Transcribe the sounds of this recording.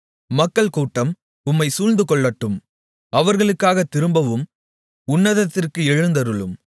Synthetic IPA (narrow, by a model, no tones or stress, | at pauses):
mɐkːɐɭkuːʈːɐm | ʊmːɐɪsuːlnd̪ɯkɔɭːɐʈːɯm | ɐʋɐɾɣɐɭɯkːaːɣɐt̪ːɪɾɯmbɐʋɯm | ʊnːɐðɐt̪ːɪrkɯɛɻɯnd̪ɐɾɯɭɯm